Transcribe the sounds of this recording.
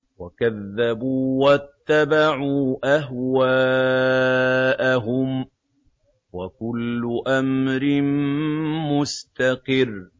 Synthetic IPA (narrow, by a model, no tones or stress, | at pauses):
wakaðːabuːwat̪ːabaʕuːʔaɦwaː | ʔaɦʊm | wakʊlːʊʔamɾɪn | mʊst̪aqɨrː